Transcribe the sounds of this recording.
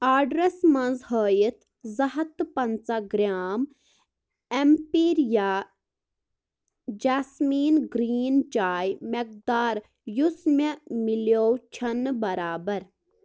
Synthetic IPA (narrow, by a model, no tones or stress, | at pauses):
aːɖɾesmɐnzɦoːjit̪ʰ | zɐɦɐt̪pɐnt͡saɡɾʲaːm | empiːɾja | d͡ʒaːsmiːnɡɾiːnt͡ʃaːjmek̚d̪aːɾ | jusmemiljoːwt͡ʃʰɐnːbɐɾaːbɐɾ